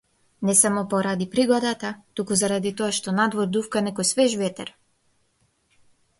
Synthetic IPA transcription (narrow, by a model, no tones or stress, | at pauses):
nɛsamɔpɔɾad̪ipɾiɡɔd̪at̪at̪ukuzaɾad̪it̪ɔaʃt̪ɔnad̪vɔɾd̪ufkanɛkɔjsvɛʒvɛt̪ɛɾ